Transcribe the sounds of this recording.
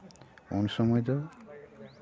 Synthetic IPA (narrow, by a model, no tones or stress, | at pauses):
o̰nsɔmɔjd̪ɔ